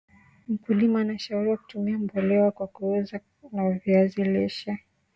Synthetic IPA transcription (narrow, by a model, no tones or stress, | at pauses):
m̩kulimaːnaʃauɾiwaku̥tumiambɔlɛwakwakuuza | naviazilɛʃɛ